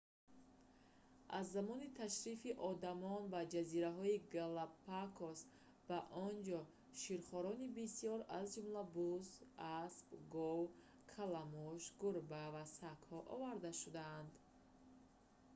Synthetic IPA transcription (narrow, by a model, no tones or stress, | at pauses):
ʔazːamɔnit̪ʰaʃɾifiʔɔd̪amɔnbad͡ʒaziɾaɦɔiɡalapakʰos | baʔɔnd͡ʒɔ | ʃiɾχɔɾɔnibisijɔɾazd͡ʒumlabuzaspɡɔw | kʰalamuʃɡuɾbavasakhɔʔɔvaɾd̪aʃud̪aːnd̪